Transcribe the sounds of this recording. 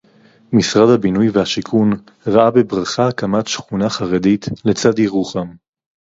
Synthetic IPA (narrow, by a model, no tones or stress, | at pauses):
misʁadhabinujvehaʃikʰun | ʁaabebʁaχaakamatʃχunaχaʁeditlet͡sad̪iʁuχam